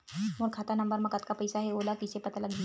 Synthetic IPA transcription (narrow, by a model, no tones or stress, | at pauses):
moːɾkʰaːt̪anɐ̃mbəɾmɐ̃kət̪kapɐɪsaɦɛoːlakɪsepɐt̪alɐɡd̪i